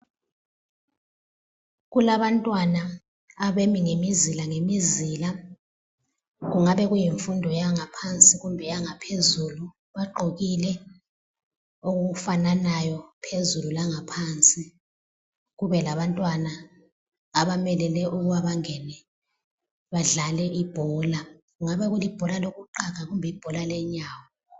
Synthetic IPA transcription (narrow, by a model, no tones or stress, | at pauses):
ɣulaβantʼwanaː | βemiŋemizilaŋemizila | ɣuŋaβɛɣujiɱfundʱɔjaŋapʰant͡sʼiɣumbʱɛjaŋapʰezulu | βaɡ͡ǃʱoɣilɛ | oɣufananajɔpʰezululaŋapʰant͡sʼi | ɣuβɛlaβantʼwanaː | ɓamɛlɛlɛʔuɣuwaβaŋɛnɛ | βaɮalɛʔib̥ʱɔːla | ɣuŋaɓɛɣulib̥ʱɔlaloɣuǃak̬aɣumbʱɛib̥ʱɔlalɛɲaːwɔ